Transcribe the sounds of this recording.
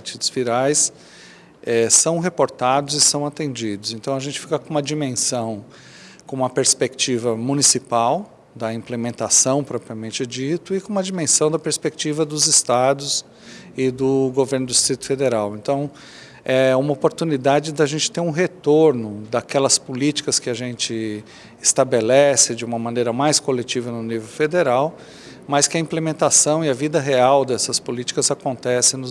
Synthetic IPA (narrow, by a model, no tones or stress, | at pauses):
aɾt͡ʃid̪ʊzviɾajs | ɛsɐ̃w̃ɦepoɾt̪ad̪ʊzɪsɐ̃w̃at̪ẽnd͡ʒid̪ʊzẽnt̪ɐ̃w̃ɐʒẽnt͡ʃɪ̥fikɐkõũmɐd͡ʒimẽsɐ̃w̃ | kõũmɐpeɾspekt͡ʃivɐmũnisipaw | d̪ɐĩmplemẽnt̪asɐ̃w̃pɾɔpɾiɐmẽnt͡ʃɪd͡ʒit̪ʊɪkõũmɐd͡ʒimẽsɐ̃w̃d̪ɐpeɾspek̚t͡ʃivɐd̪ʊzɪst̪ad̪ʊs | ɪd̪ʊɡoveɾnʊd̪ʊist̪ɾit̪ʊ̥fed̪eɾawẽnt̪ɐ̃w̃ | ɛũmɐopoɾt̪unid̪ad͡ʒɪd̪ɐʒẽnt͡ʃɪ̥t̪eɾũɦet̪oɾnʊd̪ɐkɛlɐspolit͡ʃi̥kɐskɪɐʒẽnt͡ʃɪ | ɪst̪abelɛsɪd͡ʒɪũmɐmɐ̃nejɾɐmajskolet͡ʃivɐnʊnivewfed̪eɾaw | mɐskɪɐĩplemẽnt̪asɐ̃w̃ɪɐvid̪ɐɦeawd̪ɛsɐspolit͡ʃi̥kɐzakõnt̪ɛsɪ̃nʊ